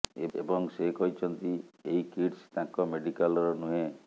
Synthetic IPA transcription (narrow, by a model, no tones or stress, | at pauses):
ebɔŋsekɔɦit͡ʃʰɔnt̪ieɦikiɖst̪ãŋkɔmeɖikalɔɾɔnũɦẽ